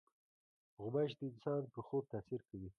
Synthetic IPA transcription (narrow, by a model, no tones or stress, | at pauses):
ɣʊmaʃd̪əɪnsɑnpəxob̚t̪aːsiɾkawi